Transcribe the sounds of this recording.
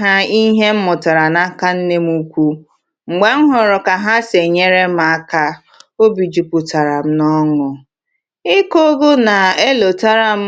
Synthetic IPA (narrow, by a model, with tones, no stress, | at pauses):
ɦa˦i˦ɦe˦m̩˦mʊ˨ta˨ɾa˨na˦ka˦n̩˦ne˦m˦u˦kʷu˦ | ŋ͡m̩˨ɡ͡be˨ŋ̩˦ɦʊ˨ɾʊ˨ka˨ɦa˦se˨ɲe˦ɾe˦m˦a˨˦ka˦ | o˦bi˨d͡ʒu˨pʊ˨ta˨ɾa˨m̩˦nɔ˦ŋʊ˨ | ɪ˦ko˦ɡo˦na˨e˦lo˨ta˦ɾa˦˨m̩˦